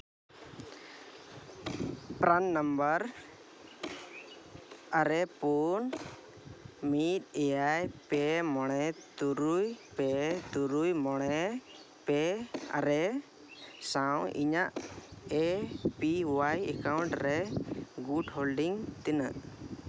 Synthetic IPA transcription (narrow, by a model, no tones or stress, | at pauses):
pɾannəmbəɾ | aɾɛpun | mit̪̚ˀɛjajpɛmɔɽ̃ɛt̪uɾujpɛt̪uɾujmɔɽ̃ɛ | pɛa̰ɾɛ | sawḭɲaʔɛpiwajɛ̰kawɳʈɾɛɡuɖholɖiŋt̪inə̰ʔ